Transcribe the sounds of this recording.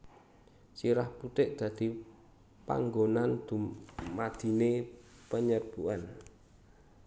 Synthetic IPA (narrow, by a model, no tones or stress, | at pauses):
siɾahput̪ɪʔ̚d̪̥ä̤d̪̥i̤ | pa̰ŋɡonand̪̥ummad̪̥i̤nepəɲərb̥uan